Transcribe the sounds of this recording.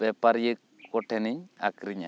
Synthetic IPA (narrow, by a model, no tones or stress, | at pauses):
ɛpaɾjekː | ɔʈʰɛniɲa̰kɾiɲa̰